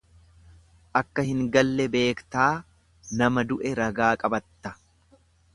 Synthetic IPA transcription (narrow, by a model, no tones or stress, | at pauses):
ʔɐkːɐhɪŋɡɐlːɛbe̞ːkt̪aː | nɐmɐd̪ʊʔɛɾɐɡaːkʼɐbɐt̪ːɐ